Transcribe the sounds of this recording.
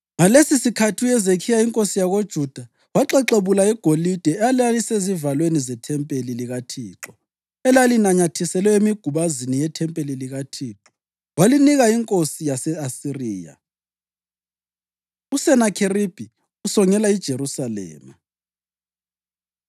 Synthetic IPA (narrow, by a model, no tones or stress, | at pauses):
ŋalesisikʰatʰijɛzekʰijaiŋkʼosijaɣod̥ʒ̥ʱud̥ʱa | waǁɛǁeβulaɛɡ̥ʱolid̥ʱɛalalisezivalwenizɛtʰɛmpʼeliliɣatʰiːǁɔ | ɛlalinaɲatʰisɛlwɛemiɡ̥ʱuβazinijɛtʰɛmpʼeliliɣatʰiǁɔ | waliniɣaiŋkʼosijasɛasiriːja̰ | usɛnakʰerib̥ʱi | usɔŋɛlaid̥ʒ̥ʱerusalɛ̰ːma